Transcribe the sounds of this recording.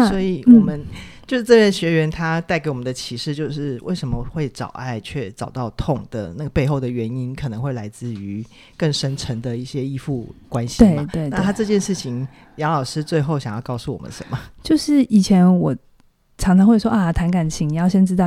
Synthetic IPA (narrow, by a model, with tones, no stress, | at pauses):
na˥swɔ˧˥i˨˩w̩ɔ˥˩˨mə˦nt͡ɕjo˥˧ʊʂɻ̩˥˩ʈ͡ʂɤ˥˧ɻə˥˩nɕɥɛ˧˥ɥɛ˧˥nt̪ʰa˥t̪a˥˩ɪke˧˥ɪwɔ˨˩mə˨nd̪ə˧t͡ɕʰi˧˥ʂɻ̩˥˧t͡ɕjo˥˧ʊʂɻ̩˥˧wʔe˥˩ɪʂə˧˥mə˧˦xwe˥˩ɪʈ͡ʂɑ̰˨˩ʊʔa̰˥˧ɪt͡ɕʰɥɛ˥˩ʈ͡ʂɑ˨˩ʊt̪ɑ˥˧ʊt̪ʰʊ˥˩ŋd̪̥ə̰˩na˥˩ɡə˩pe˥˧ɪxo˥˩ʊd̪ə˩ɥɛ˧˥ni˥nkʰɤ˨˩nə˧˦ŋxwe˥˩ɪla˧˥ɪt͡sɹ̩˥˩y˧˥ | kə˥˩ŋʂə˥nʈ͡ʂʰə˧˥ŋd̪ə˨i˥˩ɕjɛ˦i˥fu˥˩kwa˦nɕi̥˨t̪we˥˩ɪat̪we˥˩ɪna˥˧t̪ʰa˥ʈ͡ʂɤ˥˧t͡ɕjɛ˥˧nʂɻ̩˥˩t͡ɕʰi˨˩ŋ | jɑ˧˥ʊlɑ˨˩ʊʂɻ̩˥t͡swe˥˧ɪxo˥˩ʊɕjɑ˨˩ŋjɑ˥˧ʊkɑ˥˧ʊsu˥˩wɔ̰˨˩mə̰˦nʂə̰˧˦nmə˩t͡ɕjo˥˧ʊʂɻ̩˥˩i˨˩t͡ɕʰjɛ˧˥nwɔ˨˩ | ʈ͡ʂʰɑ˧˥ŋʈ͡ʂʰɑ˧ŋxwe˥˩ɪʂwɔ˥ʔa˥˩t̪ʰa˧˥nka˨˩nt͡ɕʰi˧˥ŋni˨˩jɑ˥˩ʊɕjɛ˥nʈ͡ʂɻ̩˥t̪ɑ˥˨